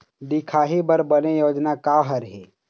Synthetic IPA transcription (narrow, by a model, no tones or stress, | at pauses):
d̪ɪkʰaːɦibɐɾbɐnejoːd͡ʒnakaɦəɾɦɛː